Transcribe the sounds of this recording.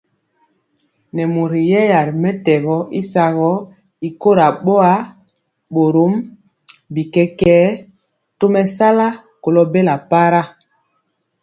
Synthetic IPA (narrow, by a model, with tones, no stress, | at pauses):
nɛ˨mu˨ɾi˨jɛ˦ja˨ɾmɛ˦tɛ˨ɣɔ˦i˦sa˨ɣɔ˦ | i˨ko˦ɾa˨ɓo˦a˦ | ɓo˨ɾo˨˦m | bi˨kɛ˦kɛː˦ | to˦mɛ˦sa˦la˦ko˨lɔ˦be˦la˨pa˦ɾa˦